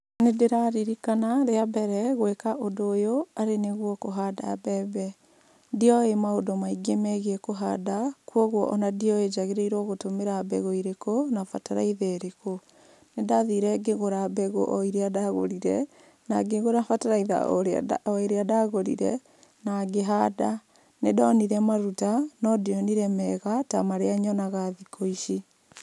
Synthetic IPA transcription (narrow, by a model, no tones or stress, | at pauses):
nedeɾaɾiɾikanaɾeabɛɾɛɣwekaʔodoːjoaɾeneɣwɔkoɦada̰bɛbɛ | diɔemaodomaiɡemɛɣɛkoɦadakwɔɣwɔ̰ʔɔnadiɔed͡ʒaɣeɾɛiɾwɔɣotomeɾabɛ̰ɣoiɾekonafa̰taɾa̰iðɛɾeko | nedaðiɾɛɡeɣoɾabɛɣo̰ʔɔiɾeadaɣo̰ɾiɾɛ̰ | naɡeɣoɾafataɾaiða̰ɾɔeɾeadaɣoɾḭɾɛ̰ | naɡeɦada | nedɔːniɾɛmaɾutanɔdiɔniɾɛmɛɣata̰maɾeaɲɔnaɣaðikʰoiʃi